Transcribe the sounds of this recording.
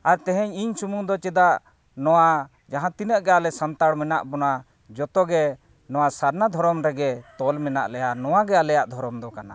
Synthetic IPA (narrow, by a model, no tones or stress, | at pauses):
aɾt̪ɛɦɛɲiɲsumuŋd̪ɔt͡ʃɛd̪aʔ | nɔwa | d͡ʒaɦãt̪inəʔɡɛalɛsant̪aɽmɛna̰ʔbɔna | d͡ʒɔt̪ɔɡɛ | nɔwasaɾnad̪ʱɔɾɔmɾɛɡɛt̪ɔlmɛna̰ʔlɛjanɔwaɡɛalɛjaʔd̪ʱɔɾɔmd̪ɔkana̰